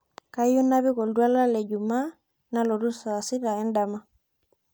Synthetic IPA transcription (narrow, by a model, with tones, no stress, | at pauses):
ka˦i˦ju˦na˦βi˦kɔ˨ldwa˦la˦lɛ˨ɟu˨ma˦ | na˦lɔ˨ɾu˦sa˨si˦ɾa˨ɛ˦nda˨ma˦